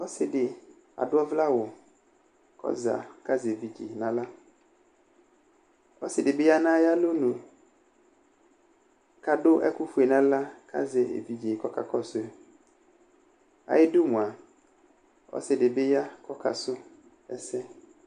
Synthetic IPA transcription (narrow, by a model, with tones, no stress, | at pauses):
ɔ˦sɪ˨dɪ˨ | a̰˨dʊ˦ɔ˦vla˦wʊ˨ | kʰɔ̰˦za̰˨ka˦ze˨vi˨d͡ʑḭ˨nã˦la˦ | ɔ̰˦sɪ˨dɪ˨bɪ˦ja˦nã˦ja˦lo˦nũ˨ | ka˦dʊ˦ʔɛ˦kʊ˦fu˨e˨nã˦la˦kʰa̰˦zɛ˨ḛ˨vi˨d͡ʒi˨kɔ˦ka̰˨kɔ˦sʊ˦ɛ˦ | a̰˨jɪ˦dʊ˦mũ˨a˨ | ɔ̰˦sɪ˨dɪ˨bɪ˦ja˦kʰɔ˦kʰa̰˨sʊ˦ | ɛ˦sɛ˦